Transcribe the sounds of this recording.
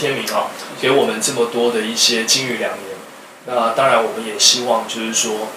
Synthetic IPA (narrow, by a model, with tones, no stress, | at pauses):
jɛ˥nmi˨˥ŋɔ˨˦ke˧˥ɪwɔ˨˩mə˨˦nʈ͡ʂɤ˥˩mə˨t̪wɔ˥d̪ə˨i˥˩ɕjɛ˦t͡ɕi˥ŋy˥˩ljɑ˨˩ŋnjɛ˨˧˦n | na˥˨t̪ɑ˥ŋɻa˨˦nwɔ˨˩mə˦njɛ˨˩ɕi˥wɑ˥˨ŋt͡ɕjo˥˧ʊʂɻ̩˥˩ʂwɔ˥